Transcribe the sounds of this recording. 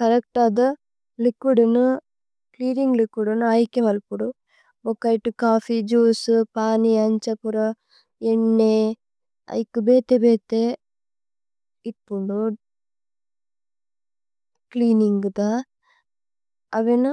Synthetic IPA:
kɐɾɐk̚ʈaːd̪ɐ | likʋuɽunu | kliːɾiŋɡlikʋuɽunɯɐjkːeʋɐlpuɽu | bɔkːɐjʈːukaːfid͡ʒuːspaːniɐɲt͡ʃɐpuɾɐ | eɳːe | ɐ̰jkːɯbeːt̪ebeːt̪e | iʈpuɳɖu | kliːniŋɡɯt̪aː | ɐʋenɯ

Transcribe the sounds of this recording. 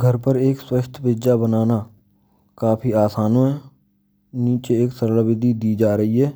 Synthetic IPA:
ɡʱəɾpəɾeːkswəʃt̪ʰpɪd͡ʒabənaːna | kaːpʰiaːsaːnõɦɛ | niːt͡ʃeeːksəɾləbɪd̪id̪iːd͡ʒaːɾəɦiɦɛː

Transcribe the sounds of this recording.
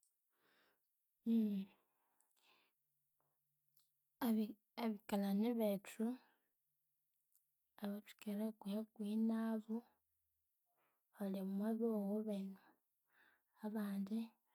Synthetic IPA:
aβikalaniβetʰu | aβatu̥keɾekujakwinaβu | alimwaβowoβenu | aβaːndi

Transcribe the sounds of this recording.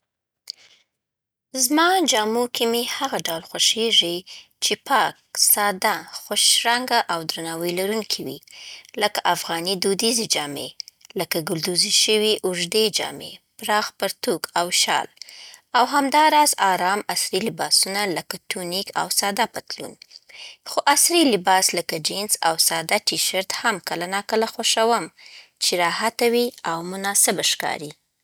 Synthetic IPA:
zmɑd͡ʒɑmukʰimehaɣaɖawlxaʃeʒit͡ʃepɑk̚sɑd̪axʊʃɾaŋɡaʔawd̪ɾanɑwəjlaɾunkʰiwḭləkaʔafɣɑnid̪ud̪ized͡ʒɑmḛləkaɡʊld̪uziʃəwiʔʊʒd̪ed͡ʒɑ̰mḛpɾɑxpaɾt̪ukawʃɑ̰lawɦamd̪ɑɾɑzɑɾɑmasɾilɪbɑsunaləkat̪unika̰wsɑd̪apat̪lṵn | xoʔasɾilɪbɑsləkad͡ʒɪnsa̰wsɑd̪aʈiʃaɾt̪hamkəlanɑkəlaxoʃawəmt͡ʃeɾɑhat̪awiawmʊnɑsɪbaʃkɑ̰ɾi

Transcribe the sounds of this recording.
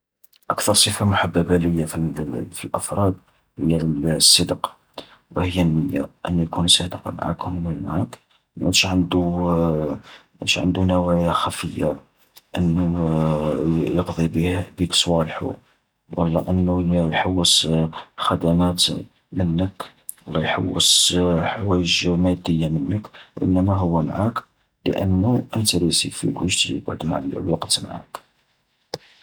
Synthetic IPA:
ʔakt̪ɑɾˤsˤəfamʊħabːæbæləjːafifilʔəfɾˤɑd̪̚ | həjːasˤːəd̪qɑ̥ | wəhəjːænːəjːa̰ʔə̰nːjækunsæd̪əqɑ̰ma̰ʕa̰khʊmnælmaʕak | mʔæt̪ʃʕənd̪u | mæʃʕə̰nd̪unæwæjaxæfəjːa | ʔənːu | jəqd̪ˤibbiksˤwɑlħṵ | wʔɑ̰lˤːɑʔənːulːæjħawːəsxæd̪æmæt̪ | mənːək | lːɑjħa̰wːəsħwæjəʒmæd̪əjːamənːəkʔə̰nːæmæɦʊwːæmaʕak | lə̰ʔənːuʔənt̪ɾisifḭlwəʒd̪baʕd̪ma̰ʕllwɑqt̪ma̰ʕa̰k

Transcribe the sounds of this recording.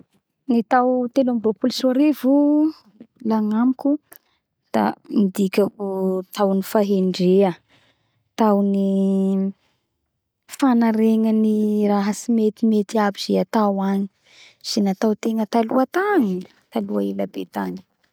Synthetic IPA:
nit̪awt̪enamiropulisaɾevu | laŋamikʲu | d̪̥a̰mid̪ikʲakut̪awnifaɦeɳɖ͡ʐeə | t̪awni | fanaɾeŋəniraɦəsimet̪imet̪iabiz̥eat̪awaɲi̥ | z̥enat̪awt̪eŋət̪aluat̪aŋi | t̪aluailabet̪aɲi̥

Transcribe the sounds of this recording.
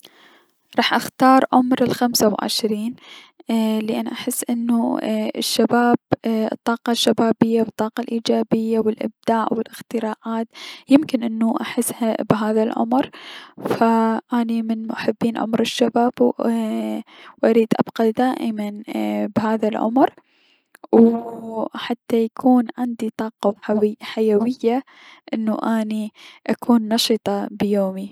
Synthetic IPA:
ɾˤɑːħʔaxt̪ɑːɾˤʕʊmɾɪlxamsawʕɪ̰ʃɾiːn | lɪʔanːʔaħɪsːʔɪnːuɪ̰ʃːabaːbt̪ˤːɑːqɑʃːabaːbɪjːawɨt̪ˤːɑːqɑlʔiːd͡ʒaːbɪjːawɪlʔɪ̰b̚d̪aːʔwɪlʔɪxt̪ɪɾaːʔaːt̪jɪmkɪnʔɪnːuʔaħɪsːhabɦaːðalʕʊ̰mɾfaʔanimɪnmaħɪbːiːnʕʊ̰mɾɪʃːabaːb | wʔaɾiːd̪ʔabqɑd̪aːʔɪmanbhaːðalʕʊ̰mɾ | w | ħat̪ːajakʰuːnʕɪnd̪it̪ˤɑːqɑħajawɪjːa | ʔɪnːuʔaːniʔakʰuːnːɑʃɨt̪ˤɑbjoːmi

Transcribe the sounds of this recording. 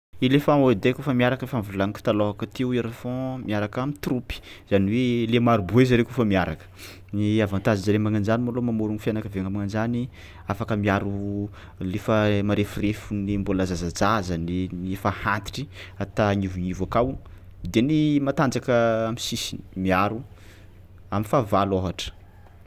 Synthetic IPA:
ilefaod̪ekufəmiaɾakəefamvulaŋiki̥t̪aloɦakət̪ewaɾafɔ̃miaɾakamit̪rupi̥z̥aniwelemaɾubuezaɾekufəmiaɾakə̥ | niavant̪azid͡ʒaɾemaŋand͡ʒanimolomamoɾuŋifjanakəveŋamaŋand͡ʒani | afakəmiaɾu | lefəmaɾefirefunimbolazazad͡zazaneniefahant̪i̥ʈ͡ʂi̥at̪aɲivuɲivakaw | d̪enimat̪and͡zakəamisisini̥miaɾu | aminfavaloɦaʈ͡ʂə̥

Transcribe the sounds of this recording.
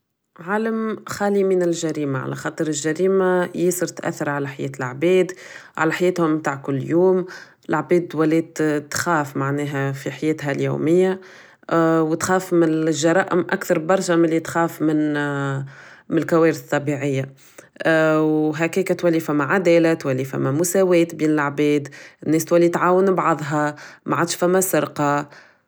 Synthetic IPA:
ʕaːləmxaːlimɪnɪlʒæɾiːmaʕa̰læ̰xɑːt̪ˤɨɾɪlʒæɾiːmajesɨɾt̪ʔæ̰θːɑɾʕalæħajɛ̰ːt̪ɪlʕbɛːd̪ʕa̰læħajɛːt̪hʊmt̪aːʕkʊlːjuːm | ɪlʕbɛːd̪̚ːwælɛːd̪t̪xaːfmaʕnɛːɦæfiħajɛːt̪ɦæljṵːmɪjːa | wt̪xæːfmɪʒːɑɾˤɑːʔɪmʔakθɑɾˤbɑɾˤʃamɪlːit̪xæːfmɪn | mnɪlkæwæːɾθt̪ˤːɑbiʕɪjːa | wɦækɛːkæt̪wælːifæmːaʕad̪ɛːlæt̪wælːifæ̰mːæmʊsæwɛːt̪biːnɪlʕbɛːd̪ɪnːɛːst̪wælːit̪ʕaːwənbʕɑðˤɦɑmaʕad̪ʃfæmːæsɪɾqɑ

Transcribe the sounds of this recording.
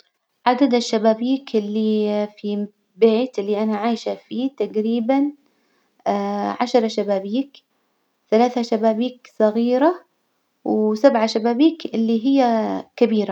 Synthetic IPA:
ʕad̪ad̪aʃːabaːbiːkɪlːifi | beːt̪ʔɪlːiʔanaʕaːjʃafiːt̪aɡɾiːban | ʕaʃɾˤɑʃabaːbiːk | θalaːθaʃabaːbiːksˤɑɣiːɾa | wsabʕaʃabaːbiːkʔɪlːiɦɪjːakɪbiːɾa

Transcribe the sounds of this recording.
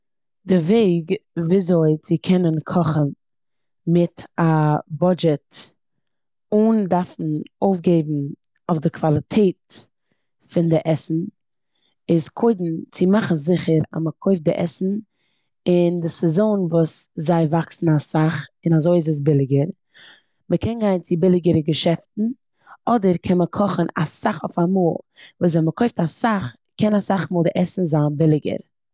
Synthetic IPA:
dɪveɪɡviːzoɪt͡sɪkʰɛnənkʰɔχən | mɪtabɔd͡ʒɛt | undaɾfn̩oʊfɡeɪbn̩ | oʊfdɪkvalˠɪtʰeɪt | fɪndɪʔɛsn̩ | ɪskʰoɪdn̩t͡sɪmaχn̩zɪχəɾa̰məkʰoɪfdɪʔɛ̰sn̩ | ɪndɪsɛzoːnvuːszaɪvaksn̩asaχɪnazoɪɪz̬əs̬bɪlˠɪɡəɾ | məkʰɛnɡaɪnt͡sɪbɪlˠɪɡəɾəɡəʃɛftn̩ | ɔdəɾkʰɛnməkʰɔχən̩a̰saχo̰famuːlˠ | vuːs̬vɛməkʰoɪftasaχ | kɛnasaχmuːlˠdɪʔɛsn̩zaːnbɪlˠɪɡə̰ɾ

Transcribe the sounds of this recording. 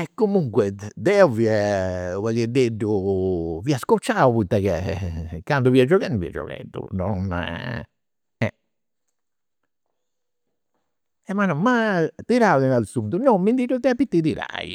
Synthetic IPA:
ɛkːomuŋkwɛd̪ɛuviɛvɛked̪eɖuviaskɔt͡ʃːaːuput̪ːakekand̪uviad͡ʒɔkɛnuvḭa̰d͡ʒɔ̰kɛ̰d̪ṵnɔn | ɛ̰ | ɛmanɔmːat̪iɾaðinalsunt̪unɔmːind̪iɾut̪ːɛapːit̪ːit̪iɾa̰jḭ

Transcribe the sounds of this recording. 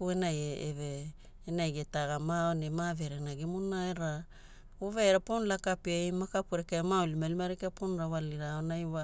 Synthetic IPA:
kuenajeeveː | najɡetaɡamaonemave̞ɾenaɡimunaeɾa | oveeɾaponlakapiajmakapuɾekaemaolimalimaɾekaponɾawaliɾaonajwa

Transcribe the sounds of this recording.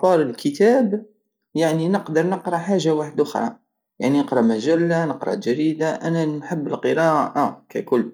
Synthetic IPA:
ɑɾˤəlkʰət̪æb | jaʕninəqd̪əɾˤnəqɾˤɑħaʒːawaħəd̪ʔʊxɾˤɑ̰ | jaʕninəqɾˤɑmæʒælːanəqɾˤɑ̰ʒæɾid̪aʔænænħəbːəlqəɾɑʔʔakækʊlː

